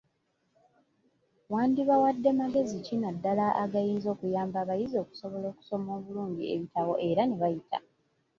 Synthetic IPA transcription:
waːndiβawadːe̞maɡe̞zicinadːalaʔaɡajiːnzo̞ːkujaːmbaβajizo̞ːku̥so̞βo̞lo̞ːku̥so̞mo̞ːβuluːɲɟiḛβitawo̞ʔe̞ɾane̞βajitʰa̰

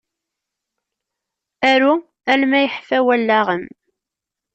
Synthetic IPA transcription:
æɾu | ælmæjəħfæwælːaʁəm

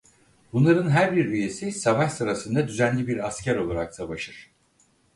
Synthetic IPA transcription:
bunlˠaɾɯnɦæɾbiɾyje̞sisavaʃsɯɾasɯnd̪ad̪yzænlʲibiɾascʰæɾo̞lˠaɾaksavaʃɯɾ̥

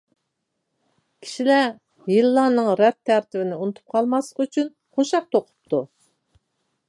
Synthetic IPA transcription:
kʲʰi̥ʃilɛ | jɨlˠːɑnɨŋɾɛt̪ʰːæɾt̪ʰɪvɪnɪunɨt̪ʰu̥p̚qʰɑlˠmɑslˠəqyt͡ʃʰyn | χoʃɑq̚t̪ʰoqʰʊ̥p̚t̪ʰu

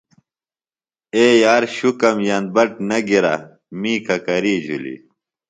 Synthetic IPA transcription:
eːjaːɾɕukɐmjɐnbɐʈ̚nɐɡiɾa̰ | miːkɐkɐɾiːd͡ʑʱṵlḭ

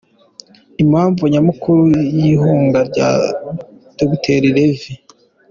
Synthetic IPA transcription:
imhaːɱvuɲamukuɾujiɦuːŋɡaɾɟa̰ | d̥obitʰeɾiɾevi

